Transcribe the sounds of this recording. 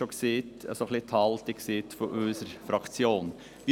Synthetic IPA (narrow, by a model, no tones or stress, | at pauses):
ɔksiːt̪sɔklɪt̪ʰɑːlt̪ɪksiːt̪fɔɾʔøːsəɾfɾɑk̪t͡sjoːn | ʋɪ